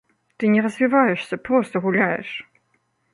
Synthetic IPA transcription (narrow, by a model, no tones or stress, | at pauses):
t̪ɨnʲɛɾɐzʲvʲivajɛʂsʲɐpɾɔst̪ɐɣulʲajɛ̰ʂ